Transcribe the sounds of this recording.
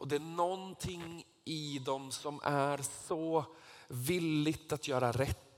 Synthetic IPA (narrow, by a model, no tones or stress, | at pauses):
ʔɔd̪ɛænɔnt̪ʰɪŋ | ɪd̪ɔmsɔmʔæɾsɔ | vilːɪɡt̪at̪jœːɾaɾɛt̪ː